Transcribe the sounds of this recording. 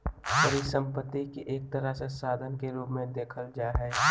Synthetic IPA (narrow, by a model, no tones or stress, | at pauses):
pəɾisə̃mpət̪ːikiʔeːk̚t̪əɾəsesaːd̪ʱənkeɾoːɡmẽd̪eːkʰəld͡ʒaːɦɛː